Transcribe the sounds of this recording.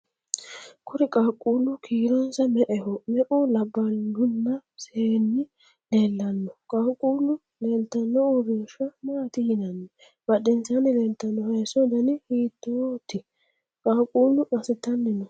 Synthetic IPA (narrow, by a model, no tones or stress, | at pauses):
kʰʊɾɪkʼaːkʼːuːlʊkʰiːɾɔnsɐmɛʔɛhɔmɛʔʊlɐbːɐlɡʊnːɐseːnːɪ | leːlːɐnːɔkʼaːkʼːuːlʊ | lɛnt̪ːɐnːɔɔbiːʃɐmaːt̪ɪhɪnɐnːɛ | b̥ɐɗɛnsanɪlɛnt̪ːɐnːɔhɐjsɔd̪ɐnɪhiːt̪ːɔt̪ːɪ | kʼaːkʼuːlʊmɐsɛt̪ːɐnːɪnɔ